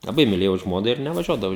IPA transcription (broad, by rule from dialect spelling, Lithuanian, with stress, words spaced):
lˠɐˈbɐɪ mʲɪˈlʲeːjɛʊ ˈʒmoːnɐ ɪr nʲɛʋɐˈʒʲuɔdɐʋɐʊ